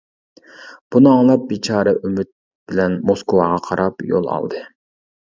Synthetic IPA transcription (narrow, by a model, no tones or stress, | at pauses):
b̥unɨɑŋlˠɑp̚bit͡ʃʰɑːɾɛʔymyt̪̚ | b̥ɪlɛnmoskʰowɑ̰ʁɑqʰɑɾʔɑpjo̰lˠɑ̰lˠd̪ɨ